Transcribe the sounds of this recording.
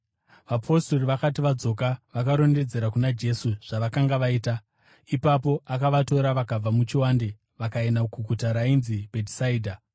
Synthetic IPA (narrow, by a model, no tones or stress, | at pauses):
ʋapʰo̞sto̞riʋakatiʋad͡zo̞kaʋakaɾo̞nde̞d͡ze̞ɾakunad͡ʒe̞suʐ̥aʋakaŋɡaʋaiːta | ipapo̞ʔakaʋato̞ɾaʋakab͡vamut͡ʃiwande | ʋakaenakuɡʱutaɾainzibʱetisaiːdʱa